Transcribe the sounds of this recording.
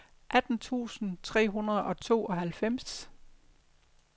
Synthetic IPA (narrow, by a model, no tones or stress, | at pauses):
ʔæd̥n̩t͡sʰṵːsn̩t͡sʰʁɛ̰ːɦunɐð̞̩ˠɒ̽t͡sʰo̝̰ːʔɒ̽ɦælfem̰s